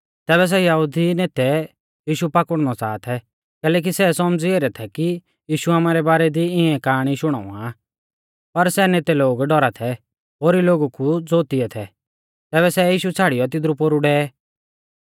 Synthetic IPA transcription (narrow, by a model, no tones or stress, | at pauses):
t̪ɛːβɛs̬ɛjaɦud̪ʱineːt̪ɛ | jiːʃupakəɽnɔt͡sa̰ːt̪ʰɛ | kɛːlɛːk̬isɛsɔmd͡zieːɾɛt̪ʰɛki | jiːʃuaːmaːɾɛbaːɾɛd̪iɪɛ̃kaːɽ̃iʃʊɽ̃a̰ːṵ̃a | pɐɾsɛneːt̪ɛloːɡɖɔɾat̪ʰɛ | ɦoːɾiloːɡukud͡zoːt̪iɛt̪ʰɛ̰ | t̪ɛːβɛsɛjiːʃut͡sʰaːɽɪjɔt̪̬ɪd̪ɾupoːɾuɖɛː